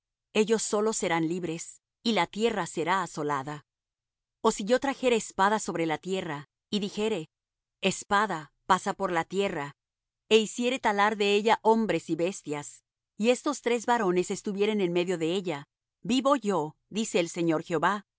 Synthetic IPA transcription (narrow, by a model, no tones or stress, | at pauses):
e̞ʝo̞sːo̞lo̞se̞ɾanliβɾe̞s | ilat̪je̞rase̞ɾaːso̞laða | o̞siʝo̞t̪ɾaxe̞ɾe̞ːspaðaso̞βɾe̞lat̪je̞ra | iðixe̞ɾe̞ː | spaðapasapo̞ɾlat̪je̞ra | eisje̞ɾe̞t̪alaɾðe̞eʝaʔo̞mbɾe̞siβe̞st̪jas | ie̞st̪o̞st̪ɾe̞zβaɾo̞ne̞se̞st̪uβje̞ɾe̞ne̞nme̞ðjo̞ðe̞eʝa | biβo̞ʝo̞ðise̞ːlse̞ɲo̞ɾxeoβa